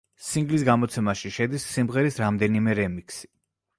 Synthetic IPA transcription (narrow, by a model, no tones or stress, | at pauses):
siŋɡlisɡamɔt̪sʰɛmaʃiʃɛd̪isːimʁɛɾisɾamd̪ɛnimɛɾɛmiksi̥